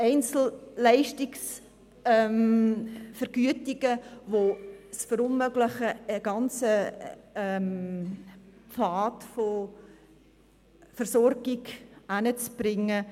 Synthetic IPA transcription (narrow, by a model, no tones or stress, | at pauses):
ɛɪnt͡sl̩lɛɪʃtɪks | ɛm | fəɾɡ̥yətɪɡ̥əvosfəɾʊnmøɡlɪχəəɡ̥ɑnt͡səɛm | faːtfo | fəɾsɔrɡ̥ɪɡanət͡sb̥ɾɪŋːə